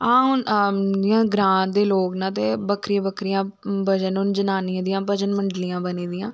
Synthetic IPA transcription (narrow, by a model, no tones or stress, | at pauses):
ãːɦʊnɪjãːɡɾãːnd̪eːloːknaːt̪eːbəkʰɾijãːbəkʰɾijãː | bəd͡ʒənʊnd͡ʒənaːniãd̪ɪjãːbəd͡ʒənməɳɖlɪjãːbəniːd̪ɪjãː